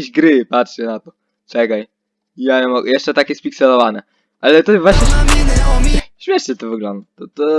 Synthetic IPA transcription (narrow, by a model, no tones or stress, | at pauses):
eʑɡɾɘpatʂɛnat̪ɔ | t͡ʂɛkaj | ijaɲɛmɔɡjɛʂt͡ʂɛt̪akʲjɛspʲiksɛlɔvanɛ | ʔalɛt̪ɔvwaɕɲɛsʲinɔmʲiɕmʲjɛʂɲɛt̪ɔvɨɡlɔnd̪at̪ɔt̪ɔ